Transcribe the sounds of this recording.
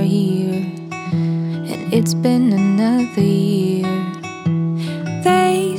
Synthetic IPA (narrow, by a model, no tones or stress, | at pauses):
jɪɹ | ɨ̰̃ɪtsb̥ɪ̃nɨnʌðə˞jɪɹ | ðe